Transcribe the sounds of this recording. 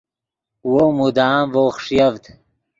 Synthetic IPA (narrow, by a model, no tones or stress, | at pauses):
womud̪aːmvoχʂjɐvd̪